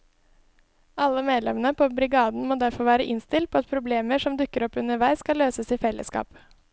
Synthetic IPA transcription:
ɑlːəmeːd̪lɛmənəpʰoːbɾɪɡɑːd̪n̩moːd̪æɾfɔɾʋæːɾəʔɪnst̪ɪlt̪̚pʰoːɑt̪pʰɾʊbleːməʂɔmd̪ʉkːəɾɔpʉnəʋæɪskɑlːøːsəsiːfɛlːʔə̰skɑ̰ːp

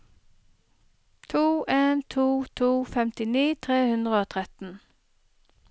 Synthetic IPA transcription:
t̪ʰuːʔeːnt̪ʰuːt̪ʰuːfɛmt̪ɪniːt̪ʰʁeːhʉnd̪ʁəoːt̪ʰʁɛt̪n̩

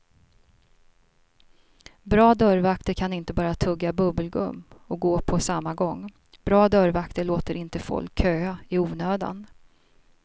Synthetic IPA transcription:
bɾɑːd̪œɾvakt̪əɾkʰanɪnt̪əbɑːɾat̪ʰɵɡːabɵbəlɡɵ̰mːɔɡoːpʰɔsamːaɡɔŋː | b̥ɾɑːd̪œɾvakt̪əɭoːt̪əɾɪnt̪əfɔ̰lkʰːøːaɪuːnøːd̪a̰n

